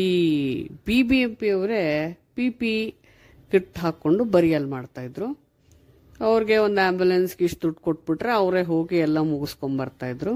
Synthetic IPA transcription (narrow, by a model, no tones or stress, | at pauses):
iːbiːbiempiɐʋɾe̞pipi | kiʈːɦaːkːo̞ɳɖubɐɾijɐlmaːɖt̪aːjid̪ɾu | ɐʋɾiɡe̞ond̪aːmbjulensɡiʂʈ̪uʈkoʈ̚ːbiʈɾe̞ɐʋɾeɦo̞ːɡiɛlːɐmuɡusko̞ɳbɐɾt̪aːjid̪ɾu